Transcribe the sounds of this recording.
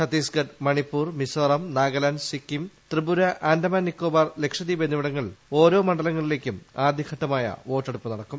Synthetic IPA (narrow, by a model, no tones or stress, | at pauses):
sɐt̪ːiːsɡɐɖmɐɳipːuːrmisɐrɐmnaːɡɐlɐnsikːimt̪rɨbuɾɐʔaːnd̪ɐmɐːnːikːo̞ːbaːrle̞kʂɐðibenːiʋiɽɐŋːɐɭo̞ːɾo̞ːmɐɳɖɐlɐŋːɐɭile̞ːkʲːumaːd̪ʱjɐkʰɐʈːɐmaːjɐ̰ʋo̞ːʈːeɽupːɨnɐɽɐkːum